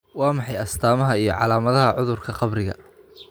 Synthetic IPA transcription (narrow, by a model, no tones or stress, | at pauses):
wɑːmɑħɑjɐst̪ʰaːmɐɦɐijɞ̰ʕɑ̰laːmɐðɐɦɐʕʊðʊrkʰɐqɑbrɪɣɐ̰